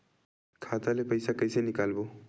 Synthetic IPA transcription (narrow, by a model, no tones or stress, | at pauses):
kʰat̪alepəjsakəjsenikalbo